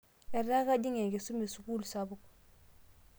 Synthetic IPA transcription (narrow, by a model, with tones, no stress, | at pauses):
e˨ɾna˦ka˦ɟi˦ŋe˨ŋɡe˨su˦me˨su˨kuː˦lsa˦bu˦k